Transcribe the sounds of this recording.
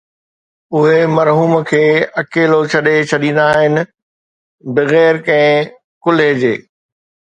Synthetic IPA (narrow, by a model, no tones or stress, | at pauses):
ʊɦemɐɾɦuːmkʰeːɐkeːlot͡ɕʰɐɗet͡ɕʰɐɗĩːn̆d̪aɦɪnɪ̆ | bɪɣɛːɾkɐ̃ɦɪ̃ | kʊled͡ʑḛː